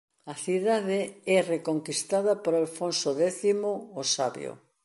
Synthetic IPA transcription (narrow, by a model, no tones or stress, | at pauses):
ɐθiðaðeɛrekoŋkist̪aðɐpoɾalfonsoðɛθimoosaβj̰o̰